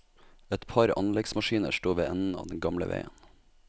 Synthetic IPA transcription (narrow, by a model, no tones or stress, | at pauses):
ɛt̪pʰɑɾɑ̰nlɛɡsmɑʃiːnə̰ʃʈoːʋeːɛnn̩ɑ̰ːʋd̪ɛn̩ɡɑmlə̰ʋḛːən